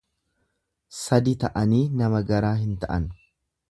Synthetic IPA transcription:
sɐd̪ɪt̪ɐʔɐniːnɐmɐɡɐɾaːɦɪnt̪ɐʔɐn

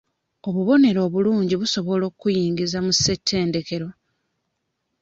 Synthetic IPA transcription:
o̞βuβo̞ne̞ɾo̞ːβuluːɲɟiβuso̞βo̞lo̞ːkːujiːŋɡizamuse̞tʰːe̞ːnde̞ke̞ɾo̞

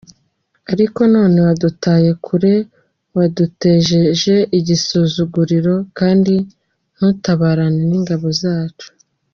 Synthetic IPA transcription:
aɾiko̞no̞ːne̞wadutaːje̞kʰuɾe̞ | wadute̞ːʒe̞ʒe̞ʔiɟisuzuɡuɾiɾo̞kaːndi | n̥hutaβaːɾaneniŋɡaβo̞zaːt͡ʃu̥

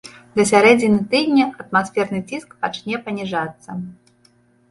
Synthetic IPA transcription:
d̪ɐsʲaɾɛd͡zʲinʲɐt̪ɨd̪ʲnʲɐʔɐt̪masfʲɛrnɨt͡sʲiskpat͡ʂnʲɛpɐnʲiʐat̪sːɐ

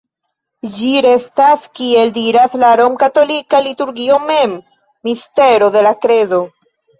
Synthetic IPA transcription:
d͡ʒiɾe̞staskie̞ldiɾaslaɾo̞mkato̞likalituɾɡio̞me̞mː | iste̞ɾo̞de̞lakɾe̞zo̞

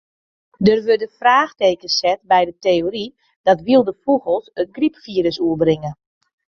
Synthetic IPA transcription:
dərʋødəfraːxteːkəsɛt̚bɛjdəteːori | d̥ɔtʋiəlˠdəfuɣəlˠsət̚ɡripfiːɾəsuəbrɪŋə

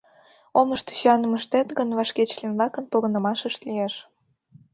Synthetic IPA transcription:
oməʃt̪u̥ɕɑnəməʃt̪et̪ɣənβɑʃket͡ɕlinvlɑkə̆npoɣə̆nə̆mɑʃəʃt̪lieʃ

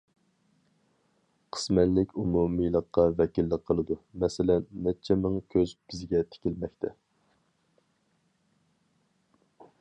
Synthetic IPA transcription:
qʰə̥smɛt̪lɪkʲumumijlˠəqːɑvɛkʲilːəqʰːəlˠɨd̪umɛsɪlɛnːɛt͡ʃʰɛmɨŋkʲʰøzbɪzɡʲɛt̪ʰe̥kʲilmɛkʲt̪ʰɛ

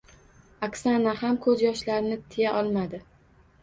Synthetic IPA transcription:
akʲsanahamkʰɵzjɒʃlaɾɪnɪt̪ʰːɪjaʔɒlˠmad̪ɪ

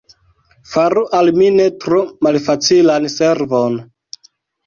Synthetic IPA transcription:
faɾuʔalmine̞tɾomalfat͡silanseɾvon

